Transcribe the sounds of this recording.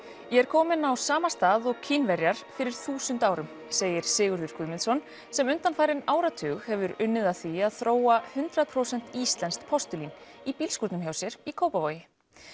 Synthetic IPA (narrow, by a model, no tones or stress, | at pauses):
jɛɛɾkʰɔːmɪnawsaːmast̪aːðɔɣkʰinvɛɾjaɾ̥fɪɾɪɾ̥θuːsʏnt̪aːwɾʏm | seːjɪɾ̥sɪːɣʏɾðʏɾ̥kʰʏðmɪnsɔn | sɛmʏnt̪anfaːjɾɪnaːwɾat̪ʰʏːɣhɛvʏɾʏnːɪðaθiaðθɾoːwahʏnt̪ɾaðpʰɾowsɛn̥t̪iːst̪lɛnskpʰɔst̪ʏlinipiːlskuɾt̪nʏmçjawsjɛɾ̥ikʰoːwpavoːjɪ